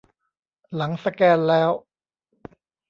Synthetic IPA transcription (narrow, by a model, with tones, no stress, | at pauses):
la˩˦ŋsa˧kɛː˧nlɛː˦˥w